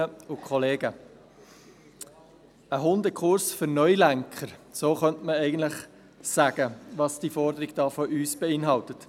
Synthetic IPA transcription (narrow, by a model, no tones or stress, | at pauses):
əʊkʰχɔleːɡə | əɦʊndəkʰχʊɾsfʏnœʏlæŋkʰəɾsoːχœntməɛɪɡən̩tlɪχ | sæɡ̥əʋɑsd̥ifɔɾdəɾɪɡd̥ɑːfɔʔyːsb̥eɪnɦɑltət